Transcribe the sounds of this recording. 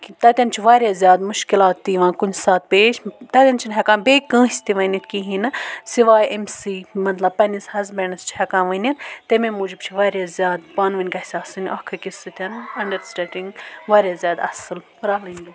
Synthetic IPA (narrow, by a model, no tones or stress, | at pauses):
kit̪ɐt̪ʲɐnt͡ʃʰiʋaːɾjaːzʲjaːd̪mʊʃkilaːt̪ːiːʋãːkunʲd͡ʒsaːt̪̚peːʃt̪ɐt̪ʲɐnt͡ʃʰinɦɐkãːnbeːkɐ̃ːsʲt̪iʋɐnit̪kiːɦinɨsiʋaːjʔemsiːmɐt̪lɐb̚pɐnishɐzbɐnɐst͡ʃʰi̥hɐkãːnʋɐnʲint̪emẽmuːd͡ʒib̚t͡ʃʰiʋaːɾjaːzʲjaːd̪̚baːnʋɐnʲkɐsʲaːsɨnʲʔɐːkʰɨkʲisɨt̪ʲʰɐnɐɳɖɐɾsʈɐʈĩŋɡʋaːɾʲjaːzʲjaːd̪ɐ̰sɨl | ɾɐːlɐnʲd̪u